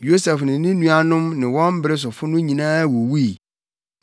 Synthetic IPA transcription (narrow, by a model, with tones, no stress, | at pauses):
jo˦sɛ˨fnɪ̃˨nɪ̃˦nũ˦a˨nʊ̃˦mnɪ̃˨wɔ̃˦m˦bɾɪ˦s̬ʊ˨fʊ˦nʊ̃˦ɲĩ˨nãː˦wo˨wi˦i˨